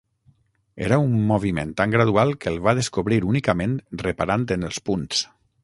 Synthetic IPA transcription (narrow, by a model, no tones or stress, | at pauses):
ḛɾaumːoβ̞imḛnt̪aŋɡɾaðualˠkəlˠβaðeskoβɾiɾunikəmẽnrəpaɾant̪ənəlˠspuns